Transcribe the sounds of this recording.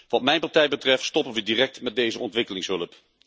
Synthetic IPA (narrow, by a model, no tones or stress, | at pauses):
ʋɑtmɛjnpɑɹtɛjbətrɛftstɔpəʋədirɛk̚tmɛt̚dejzəɔntʋɪkəlɪŋsɦɵləp